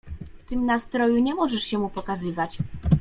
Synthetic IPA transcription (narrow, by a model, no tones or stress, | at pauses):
ft̪ɘmnast̪ɾɔjuɲɛmɔʐɛʂɕɛmupɔkazɘvat͡ɕ